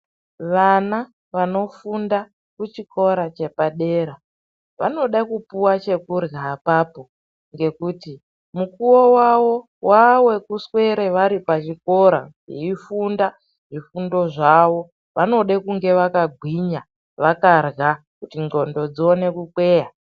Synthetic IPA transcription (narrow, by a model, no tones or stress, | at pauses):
ʋana | ʋano̞funda | kut͡ʃikʰo̞ɾat͡ʃe̞paɗeːɾa | ʋa̰no̞ɗakupuwat͡ʃe̞kurɣapaːpo̞ | ŋɡe̞kuːti | mukuwo̞wawo̞ | wawe̞kuswe̞ɾe̞ʋaɾipat͡ʃiko̞ɾa̰ | ḭifunda | ʐifundo̞ʐaʋo̞ | ʋano̞ɗekuŋɡe̞ʋakaɡʱwiɲa | ʋakarɣa | kutiŋɡo̞ndo̞d͡zone̞kukwe̞ːja